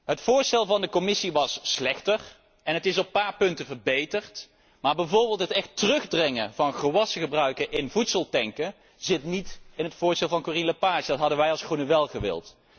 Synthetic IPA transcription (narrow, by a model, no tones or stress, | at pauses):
ɦətfʊːɹstɛlˠvɑndəkɔmɪsiʋɑsːlɛxtər | ɛnətɪsɔpːaːɹpɵntəvərbejtəɹt | maːɹbɛjvoːɹbɪːlˠtɦətɛxtərɵχdrɪŋəvɑnχəʋɑsəχəbrœɥkəʔɪnvutsəlˠtɛŋkə | zɪtnitɪnɦətfʊːɹstɛlˠvɑnkorinləpaːʒədɑtɦɑdəʋɛjɑlˠsχrunəʋɛlˠχəʋɪ̰lˠt